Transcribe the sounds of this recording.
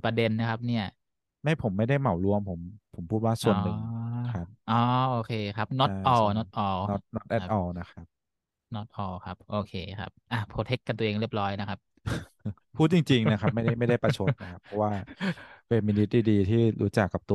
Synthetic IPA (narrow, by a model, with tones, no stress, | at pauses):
pɾa˧de˧nːa˦˥kʰa˦˥p̚ni˥˩ɐ | ma˥˩jpʰo˩˦mːa˥˩jda˥˩jma˨˩˦wlu˧əmpʰo˩˦mpʰo˨˩˦mpʰuː˥˩t̪̚waː˥˩su˨˩ə˧nːɯ˨˩ŋkʰa˦˥p̚ʔɔː˧˦ʔoː˧kʰeː˧kʰa˦˥p̚nɔ˦˥t̪̚ʔɔː˧˩nɔ˦˥t̪̚ʔɔː˧˩ɔ˦˥t̪̚nɔ˦˥t̪̚ʔɛ˦˥ʔɔː˧˩na˦˥kʰa˦˥p̚ | nɔ˦˥t̪̚ʔɔː˧˩kʰa˦˥p̚ʔoː˧kʰeː˧˩kʰa̰˦˥p̚ʔa˨˩pʰoː˧t̪ʰe˦˥kːa˧nt̪u˧ʔːŋɾi˥˩əp̚lɔː˦˥jna˦˥kʰa˦˥p̚ | pʰuː˥˩t̪̚t͡ɕi˧ŋt͡ɕi˧ŋna˦˥kʰa˦˥p̚ma˥˩jda˥˩jma˥˩jda˥˩jpa˧˩˧t͡ɕʰo˦˥t̪̚na˦˥kʰa˦˥pʰːɔ˦˥waː˥˩we˧miː˧ni˦˥t̪̚diː˧˩diː˧t̪ʰiː˥˩ɾuː˦˥t͡ɕa˨˩kːa˨˩p̚t̪u˧